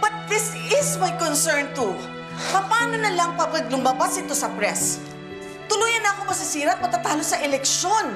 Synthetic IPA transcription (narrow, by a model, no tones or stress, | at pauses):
bɐt̪̚ðɪsɪsmajkonsɛɹnt̪u | kɐpaːnonɐlɐŋpɐbɐɡ̚lʊmabasʔɪt̪o̞sɐpɾɛs | t̪ʊluːjɐnːɐɐkomɐsɪsiːɾɐʔ̪̚mɐt̪at̪ahalosɐʔɛlɛk̚ʃon